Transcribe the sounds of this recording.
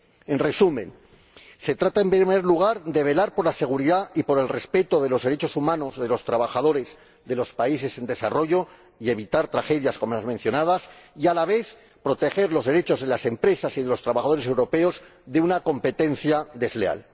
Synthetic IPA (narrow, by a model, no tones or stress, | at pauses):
e̞nre̞sumẽ̞n | se̞t̪ɾat̪ae̞mpɾimeɾluɣ̞aɾd̪e̞β̞e̞laɾpo̞ɾlase̞ɣ̞uɾiðaipo̞ɾe̞lre̞spe̞t̪o̞ðe̞lo̞zðe̞ɾe̞t͡ʃo̞sumãno̞zðe̞lo̞st̪ɾaβaxaðo̞ɾe̞z | ðe̞lo̞spaise̞se̞nd̪e̞sa̰ro̞ʝo̞ | ie̞βit̪aɾt̪ɾaxe̞ðjasko̞moazmẽn̟θjo̞naðasialaβe̞θ | pɾo̞t̪e̞xe̞ɾlozðe̞ɾe̞t͡ʃo̞zðe̞lase̞mpɾe̞sasiðe̞lo̞st̪ɾaβaxaðoɾes̬e̞wɾo̞pe̞o̞z | ðe̞unako̞mpe̞t̪e̞n̟θjad̪e̞zlea̰l